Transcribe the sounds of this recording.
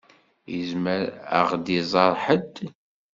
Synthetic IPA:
jə̰zməɾə̰ʁd̪izˤɑɾˤħəd̪

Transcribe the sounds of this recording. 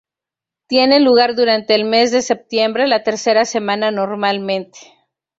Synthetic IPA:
t̪je̞ne̞nluɣ̞aɾðuɾant̪e̞ːlme̞zðe̞se̞p̚t̪je̞mbɾe̞lat̪e̞ɾse̞ɾase̞mãnano̞ɾmalmẽ̞nt̪e̥

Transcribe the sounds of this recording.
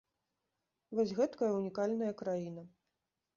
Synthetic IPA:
vɔsʲɣɛt̪kɐjɐunʲikalʲnɐjɐkɾajin̪ɐ

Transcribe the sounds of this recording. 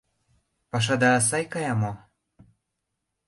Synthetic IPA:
pɑʃ̬ɑd̪ɑːs̬ɑjkɑjɑmo

